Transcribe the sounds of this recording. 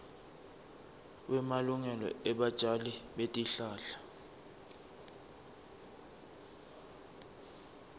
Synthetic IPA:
wɛmaluŋɛlɔ̰ɛɓad̥ʒ̥ʱaliɓetʼiɬaːɬḁ

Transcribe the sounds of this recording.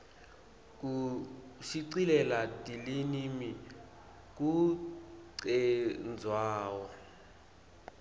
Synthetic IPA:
k̬ʼu | ʃiǀilɛlatʼilinimi | k̬ʼu | ǀɛnd͡zʱwaːwɔ

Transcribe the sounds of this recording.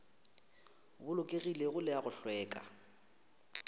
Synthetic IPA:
bʊlʊkʼeɣileɣʊlɪaɣʊɬwɛːkʼa̰

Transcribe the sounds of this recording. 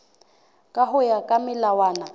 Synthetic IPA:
kʼaɦʊjakʼamɪlawaːna

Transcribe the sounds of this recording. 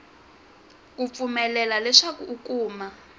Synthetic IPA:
k̬up̪fumɛlɛlalɛʂak̬ukʼuːma

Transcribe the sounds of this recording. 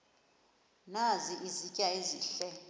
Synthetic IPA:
naziʔizicʼjaeziːɬɛ

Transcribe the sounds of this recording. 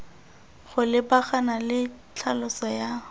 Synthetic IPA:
χʊlɪbaχanalɪ | t͡ɬʰalʊsɔja

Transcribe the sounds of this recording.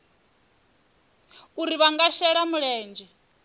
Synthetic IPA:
uɾiβaŋɡaʃɛɺamuɺɛːnd͡ʒɛ

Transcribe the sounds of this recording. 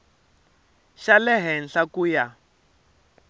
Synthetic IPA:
ʃalɛɦɛnɬakuja

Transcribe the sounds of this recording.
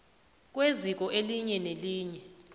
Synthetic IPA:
k̬ʼwezik̬ɔʔeliɲɛneliːɲɛ

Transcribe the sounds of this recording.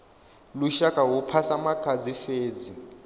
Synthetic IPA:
luʃakʼawupʰasamakʰʼad͡zifeːd͡zi

